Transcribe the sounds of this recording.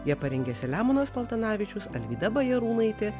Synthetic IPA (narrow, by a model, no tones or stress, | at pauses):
jiɛpɐɾʲɛŋʲɡʲɛːsʲɪlʲæːmʊnɐspɐlˠt̪ɐnɑːʋʲɪt͡ʃʲʊsɐlʲʋʲiːd̪ɐbɐjɛɾuːnɐɪt̪ʲe